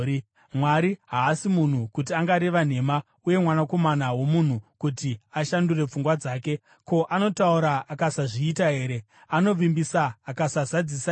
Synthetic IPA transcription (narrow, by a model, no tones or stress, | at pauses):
mwaɾiɦaːsimun̤ukut̬iaŋɡaɾeʋan̤e̞ma | uje̞mwanako̞manawo̞mun̤ukutiaʃandure̞p͡fuŋɡwad͡zaːke̞ | ko̞ʔano̞tauɾaʔːkasaʐiːtaɦe̞ːɾe̞ | ano̞ʋimbisaːkasazad͡zisa